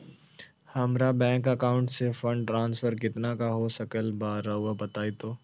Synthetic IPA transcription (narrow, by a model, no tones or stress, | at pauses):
hɐmɾabɛ̃ːŋkɐkaːʊ̃ɳʈsefɐ̃ɳɖʈɾãːnsfəɾkɪt̪nakaɦosɐkəlbaːɾauabɐt̪aːit̪oː